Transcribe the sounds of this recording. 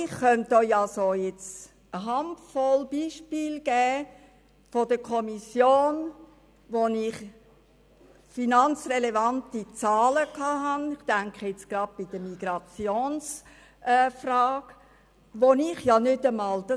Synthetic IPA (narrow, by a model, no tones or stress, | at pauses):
ɪχχœnt̚dojɑsojɛt͡s | əɦɑmtfɔlb̥iːʃpiːlɡ̥ɛː | fod̥əkʰɔmisjoːn | ʋonɪχ | finɑnt͡srelevɑntit͡sɑːləkʰɑːɦɑnɪχtæŋkχəjɛt͡sɡ̥rɑd̥̚b̥id̥̪əmiɡ̥ɾɑt͡sjoːns | ʔɛfrɑːɡ̥ | ʋonɪχjɑnʏdəmɑːld̥ɑ